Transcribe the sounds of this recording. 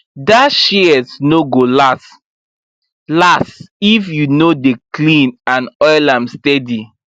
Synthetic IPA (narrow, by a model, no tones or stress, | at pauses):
daʃiɛsnoɡolast | lasifjunodeklĩnãnɔɪlãmstɛdi